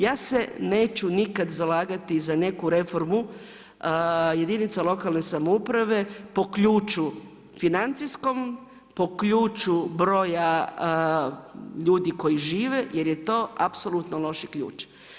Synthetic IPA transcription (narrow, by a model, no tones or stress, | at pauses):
jaːse̞neːt͡ɕunikad̪zalaːɡat̪izane̞kuɾe̞fo̞ɾmu | je̞d̪init̪salo̞kalne̞samoupɾaʋe̞po̞kʎuːt͡ʃu | finant̪sisko̞m | po̞kʎuːt͡ʃubɾo̞ːja | ʎuːd̪iko̞jiʒiːʋe̞je̞ɾje̞t̪o̞ːapso̞lˠut̪nolˠo̞ʃikʎṵːt͡ʃ